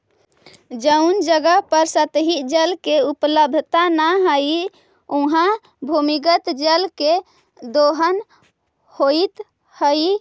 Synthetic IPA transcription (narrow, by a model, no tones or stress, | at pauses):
d͡ʒəund͡ʒəɡəɦpəɾsət̪ɦid͡ʒəlkeupləb̪ʱt̪anaɦəi | uɦã | bʱumiɡət̪d͡ʒəlke | d̪oɦən | hoit̪ | həi